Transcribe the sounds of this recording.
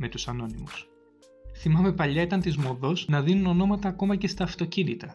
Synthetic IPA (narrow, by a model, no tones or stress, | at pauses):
me̞t̪usɐno̞nimus | θimɐme̞pɐʎɐet̪ɐnt̪izmo̞ðo̞znɐðinuno̞no̞mɐt̪ɐːko̞mɐce̞st̪ɐːft̪o̞cinit̪ɐ